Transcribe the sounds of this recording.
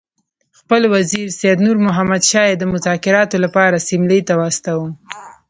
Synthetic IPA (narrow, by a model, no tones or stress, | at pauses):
xpəlwaziɾsejad̪nuɾmʊɦamad̪ʃɑjed̪əmʊzɑkɪɾɑt̪olapɑɾasɪmləjt̪awɑst̪awum